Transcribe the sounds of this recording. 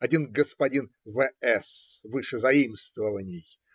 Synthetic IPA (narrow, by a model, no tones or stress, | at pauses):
ɐdʲinɡəspɐdʲin | vɛɛsvɨʂɨzɐimst̪vəvənʲɪj